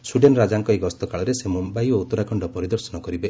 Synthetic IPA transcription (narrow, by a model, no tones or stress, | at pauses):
suɖenɔɾad͡ʒaŋkɔekɔst̪ɔkaɭɔɾesemumbajout̪ːɔɾakʰɔɳɖɔpɔɾid̪ɔɾsɔnɔkɔɾibe